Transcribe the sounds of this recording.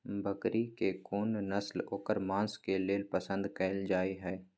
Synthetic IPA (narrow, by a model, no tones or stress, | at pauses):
bəkɾikekoːnnəsloːkəɾmãːnskeleːlpəsə̃nd̪kɛɪld͡ʒaːiɦɛː